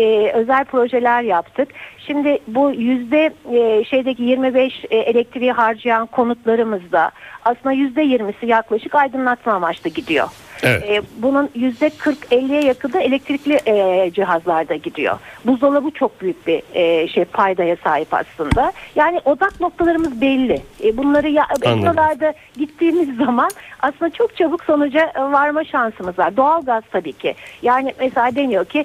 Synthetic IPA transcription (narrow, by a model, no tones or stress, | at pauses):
ɛːø̞zælʲpʰɾo̞ʒelʲæɾjapt̪ʰɯkʃimd̪ɪbujyzd̪ɛʃejd̪ɛcijiɾmibɛʃelʲɛc̚t̪ʰɾijiɦaɾd͡ʒɯjankʰo̞nut̪lˠaɾɯmɯzd̪a̰aslˠɯnd̪ajyzd̪ɛjiɾmisijaklˠaʃɯkajd̪ɯnlˠat̪mamat͡ʃt̪ˠɯɟid̪ijo̞̰ | ɛːbununjyzd̪ɛkʰɯɾkɛlʲːijɛjakʰɯlˠd̪ɯe̞lʲɛc̚t̪ʰɾiclʲiʔd͡ʒiɦazlˠaɾd̪aɟid̪ḭjo̰buzd̪alˠabut͡ʃʰo̞k̚byjyc̚biːʃejpʰajd̪ajasaːɦipa̰slˠɯnd̪ajaːnɪʔo̞d̪akno̞k̚t̪ʰalˠaɾɯmɯzbɛlʲːɪbunlˠaɾɯjaʔbɛalˠaɾd̪a | ɟit̪ʰːiːmizːamanaslɯnd̪at͡ʃʰo̞k̚t͡ʃʰabɯkso̞nud͡ʒaʔvaɾmaʃansɯmɯzlˠaɾd̪o̞alˠɡaz̥t̪ʰabiːcʰɪ̰jaːnɪmɛselʲaːd̪emijocʰi